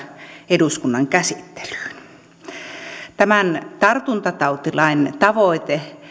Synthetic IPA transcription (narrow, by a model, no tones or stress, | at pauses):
eduskunːɑŋkæsit̪ːe̥ly̥ːn | t̪æmænt̪ɑrt̪unt̪ɑt̪ɑut̪ilɑint̪ɑʋoit̪e